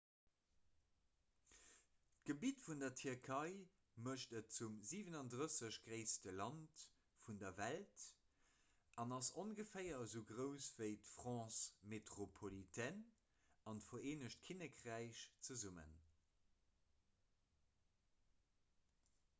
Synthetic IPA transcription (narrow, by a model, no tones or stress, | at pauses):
t̚ɡ̥əbiːtfundɐtʰyɐʁkʰɑɪ | məʃtət̚t͡sumziːvənɑndʁəsəɕɡʁeɪstəlɑnt | fundɐvælt | ʔɑnɑsonɡəfɜɪɐzəʊɡʁəʊsv̥əɪtfʁ̥ɑ̃ːsmetʁopʰolitʰɛn | ɑntfoeːnəʃt̚kʰinəkʁæɪɕt͡səzumə̰n